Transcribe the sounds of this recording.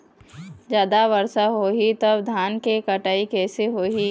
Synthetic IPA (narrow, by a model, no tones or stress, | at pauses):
d͡ʒjaːd̪aʋəɾsaɦoːɦit̪ɐbd̪ʱaːnkekəʈaːikɛːseɦoːɦi